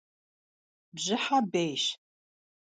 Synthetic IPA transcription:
bʒɪħabejʃ

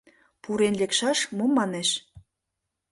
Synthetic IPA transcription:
puɾenlekʃɑʃmomːɑneʃ

